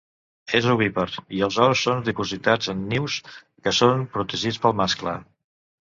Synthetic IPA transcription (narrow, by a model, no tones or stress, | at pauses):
ezuβiβəɾiəlˠzɔɾsːond̪ipuzit̪ad͡zənːiws | kəsonpɾut̪əʒit͡spəlˠmasklə̰